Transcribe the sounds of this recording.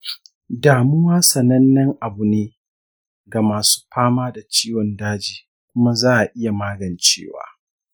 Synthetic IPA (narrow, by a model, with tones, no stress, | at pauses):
daː˨mʊ˦waː˦sɐ˨nɐ˦nːɐ˦ŋʔa˨bu˨neː˦ | ɡa˨maː˨su̥ː˦ɸaː˦maː˦da˨t͡ʃiː˦wɔ˨ndaː˦d͡ʒiː˨ | kʷʊ˦ma˦zaː˦ʔa˨ʔɪ˦ja˨maː˦ɡɐ˨nt͡ʃḛː˦˨wa̰ː˨